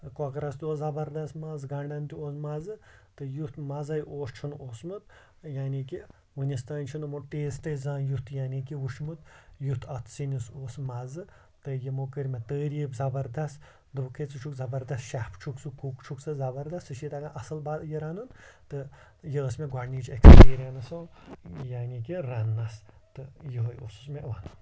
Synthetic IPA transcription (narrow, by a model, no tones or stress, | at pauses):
kɔkɾɐst̪oːzɐbɐɾd̪ɐst̪mɐzɡɐɳɖɐnt̪ʲioːsmɐzɨt̪ɨjut̪mɐzɐjʔoːst͡ʃʰunoːsmut̪̚ | jaːnʲiki | wɨnʲist̪aːnʲt͡ʃʰinɨmuʈ̪eːzt̪ɐzãːjut̪jaːnʲik̬iʋuʃmut̪jut̪ʰɐt̪ʰsinʲisoːsmɐzɨ | t̪ɨjimukəɾʲmet̪əːɾibzɐbɐɾd̪ɐst̪ | d̪ɨkʰet͡sɨt͡ʃʰukzɐbɐɾd̪ɐst̪ʃahpt͡ʃʰuksɨkukt͡ʃʰuksɨzɐbɐɾd̪ɐst̪ɨʃit̪ɐɡaʔɐsɐlbajeɾanunt̪ɨ | jeːsmeɡwaniːt͡ʃekspiːɾʲijɐnɐsojaːnʲikiɾɐnːɐs | t̪ɨjiɦojṵsu̥smeʋɐnun